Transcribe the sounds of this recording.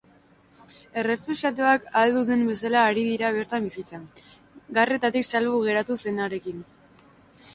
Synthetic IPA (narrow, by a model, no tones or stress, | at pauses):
e̞re̞fusat̪̬eakald̪uðembe̞salaːɾiðiɾaβ̞e̞ɾt̪ambisit͡sa | ɡare̞t̪at̪iksalβuɣ̞e̞ɾat̪use̞naɾe̞kin